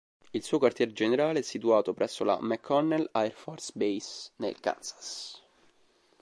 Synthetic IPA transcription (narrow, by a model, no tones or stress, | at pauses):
ilsuːokwart̪jɛːɾed͡ʒeneɾaːleɛsːit̪uaːt̪opɾʔɛsːola̰mɛkʰːɔnːɛlaɛrfɔrsbejsnḛlka̰nsḁs